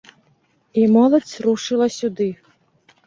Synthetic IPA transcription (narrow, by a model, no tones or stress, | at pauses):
imɔlˠɐt͡sʲruʂɨlˠɐsʲud̪ɨ